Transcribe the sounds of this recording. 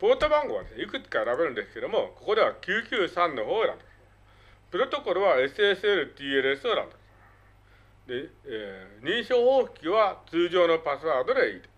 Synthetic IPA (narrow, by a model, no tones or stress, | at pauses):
po̞t̪obãŋɡo̞βa̰d̪e̞sneikɯ̟t͡sɨ̥kae̞ɾabe̞ɾɯ̟̃nd̪e̞sɨ̥ke̞d̪omo̞ko̞ko̞d̪e̞βakʲɨːkʲɨːsãnːo̞ɦoːeɾa̰bbedesɨ̥ | pɯ̟ɾo̞t̪o̞ko̞ɾɯ̟βae̞sɨesɨeɾɯ̟t̪iːeɾɯesɨ̥t̪oɾã̰nd̪esɨ̥ | d̪e̞ | ɲ̟iɕo̞ːho̞ːçi̥kʲiβat͡sɨːʑo̞ːno̞pasɨβaːd̪o̞d̪e̞iːt̪ḁ